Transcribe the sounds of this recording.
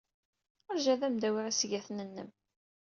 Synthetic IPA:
əɾʒæðæmd̪æwiʁæsʝæθnənːəm

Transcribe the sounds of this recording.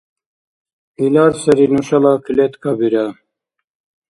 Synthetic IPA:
ilaːɾsɐɾinuɕɐlakilet̪kabiɾa

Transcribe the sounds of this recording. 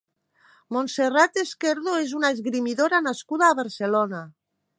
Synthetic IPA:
monserat̪eskeɾðoezunaezɣɾimiðoɾanaskuð̞aːβaɾselona

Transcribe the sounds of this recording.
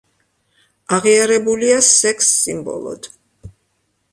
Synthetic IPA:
aʁiaɾɛbuliasɛksːimbɔ̰lˠɔ̰d̪̥

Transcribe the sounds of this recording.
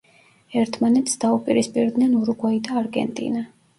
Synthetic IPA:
ɛɾt̪ʰmanɛt̪ʰsd̪̥aupʼiɾispʼiɾd̪nɛnuɾuɡwaid̪aːɾɡɛ̰nt̪ʼḭna

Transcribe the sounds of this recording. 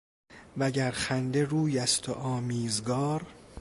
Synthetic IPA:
væɟæɾxænd̪e̞ɾuːjæst̪ʰoʔɒːmiːzɡɒːɾ

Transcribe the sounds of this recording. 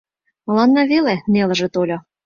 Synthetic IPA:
mɤ̆lˠɑnːɑvelenelə̆ʒĕt̪olʲo

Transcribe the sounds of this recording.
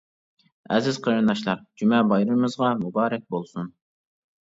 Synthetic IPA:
ɛzɪz̥qʰəɾɨnd̪ɑʃlˠɑq̚d͡ʒymɛbɑjɾɨmɨzʁɑmubɑːɾɛk̚ʲbolˠsun

